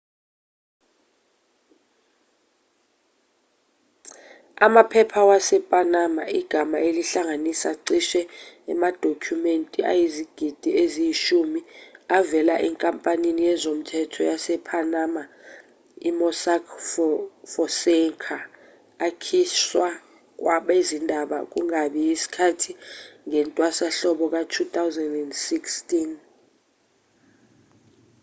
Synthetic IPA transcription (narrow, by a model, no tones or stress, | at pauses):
amapʰɛpʰawasɛpʼanamaiɡ̥ʱamaeliɬaŋanisaǀiʃɛɛmad̥ʱokʰumentʼiʔa̰jiziɡ̥ʱid̥ʱiezijiʃumiavɛlaʔɛŋkʼampʼaninijɛzom̩tʰɛtʰɔjasɛpʰanama | imɔsakʰfɔfɔsɛŋkʰaː | kʰiswa | k̬waɓaizindʱaɓa̰k̬uŋaɓijisi̥kʰatʰiŋɛntʼwasaɬɔɓɔk̬atʰut̪awzɛndɛndsikstʼin